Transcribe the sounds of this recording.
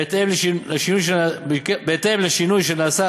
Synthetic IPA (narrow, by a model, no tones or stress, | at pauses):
t̪emleleʃinujʃ̬eabikbeːt̪emleʃinujʃenaːsa